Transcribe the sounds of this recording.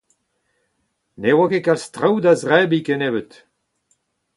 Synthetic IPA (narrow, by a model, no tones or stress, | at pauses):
newakekalst̪ʁawd̪azʁɛbikɛnebət